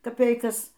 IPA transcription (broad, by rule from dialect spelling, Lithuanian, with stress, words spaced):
kɐˈpʲɛɪkɐs